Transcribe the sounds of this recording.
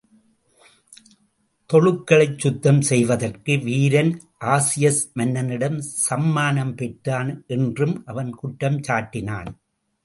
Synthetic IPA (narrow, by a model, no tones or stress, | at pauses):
t̪ɔɻɯkːɐɭɐɪt͡ʃːʊt̪ːɐmsɛjʋɐðɐrkɯʋiːɾɐn | ʔaːsɪjɐsmɐnːɐnɪɽɐmsɐmːaːnɐmpɛʈɾaːnʔɛndrɯmʔɐʋɐnkʊʈːɐmt͡ʃaːʈːɪna̰ːn